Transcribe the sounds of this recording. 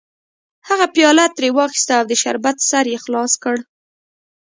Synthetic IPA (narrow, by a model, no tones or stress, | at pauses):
haɣapjɑlat̪ːɾewɑxi̥st̪aːwd̪əʃa̰ɾbat̪saɾjexlɑskəɽ